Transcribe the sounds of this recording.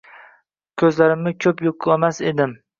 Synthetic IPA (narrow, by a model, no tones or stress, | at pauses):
kʲʰɵzlaɾɪmːɪkʲʰɵpjoqʰʊemased̪ɪm